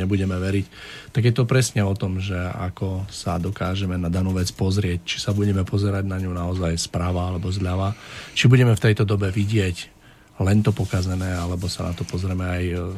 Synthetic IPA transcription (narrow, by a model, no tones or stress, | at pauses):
ɲɛbuɟɛmɛʋɛɾict̪aɡjɛt̪ɔpɾɛsɲɛɔt̪ɔmʒɛa̰kɔsad̪ɔkaːʒɛmɛnad̪anuːʋɛt͡spɔzɾɪɛct͡ʃi̥sabuɟɛmɛpɔzɛɾaɟnaɲunaɔzajspɾaʋaalɛbɔzʎaʋat͡ʃibuɟɛmɛft̪ɛjt̪ɔd̪ɔbɛʋiɟɪɛc | lɛnt̪ɔpɔkazɛnɛːalɛbɔsana̰t̪ɔpɔzɾɛmɛaj